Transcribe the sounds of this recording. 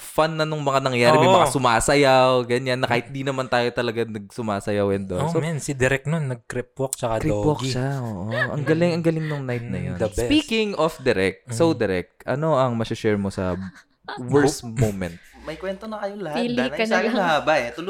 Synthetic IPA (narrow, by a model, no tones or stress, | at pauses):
fanːɐnʊŋmɐŋanɐŋjaːɾɪmmɐmɐŋasʊmaːsɐjawɡɐɲanːɐkaːhɪt̪̚d̪inɐmant̪aːjot̪ɐlɐɡanɐɡ̚sʊmaːsɐjawɛnd̪oosomɛnsɪd̪ɛɾɛk̚nonːɐɡ̚kɾip̚wok̚t͡ʃɐkɐkɾɪowokiʃɐʔoːʔoʔɐ̰ŋɡɐlɪŋɐŋɡɐlɪŋnʊŋnajt̪̚nɐ̰jond̪ɐbsɛpikɪŋʔofd̪ɛɾɛk̚t̪sowd̪ɛɾɛk̚t̪ʔɐ̰no̞ʔɐŋmɐsɪʃɛɹmosɐ̰ | wɛɹsmowmɛ̃nt̪̚mɐjkwɛnt̪onɐkɐjolɐhiliɐabɐʔɛt̪ʊl